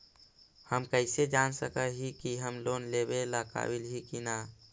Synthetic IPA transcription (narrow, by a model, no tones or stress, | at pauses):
həmkəɪsed͡ʒansəkəɦikiɦəmloːnlebelaka̰wilɦikina